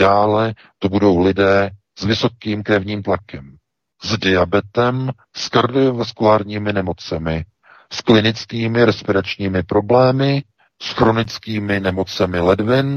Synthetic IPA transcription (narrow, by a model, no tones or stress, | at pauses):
aːlɛ | t̪obudo̞wlɪdɛː | z̥vɪso̞kiːmkɾɛvɲiːmt̪lakɛm | zdɪabɛt̪ɛm | skaɾdɪovaskulaːɾɲiːmɪnɛmo̞t͡sɛmɪ | sklɪnɪt͡skiːmɪɾɛspɪɾat͡ʃɲiːmɪpɾo̞blɛːmɪ | sxɾo̞nɪt͡skiːmɪnɛmo̞t͡sɛmɪlɛdvɪn